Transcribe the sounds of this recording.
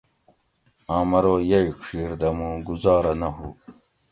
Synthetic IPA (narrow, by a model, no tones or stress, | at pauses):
aːmɐɾoːjɐikʂiːɾd̪ɐmũːɡuzɑːɾɐnɐɦuː